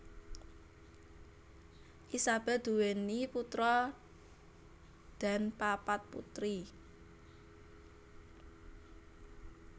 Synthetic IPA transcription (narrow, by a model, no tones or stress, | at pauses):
ʔisab̥ɛ̤d̪̥ṳweniput̪ɾɔ | d̪̥a̤npapat̪̚pṵt̪ɾi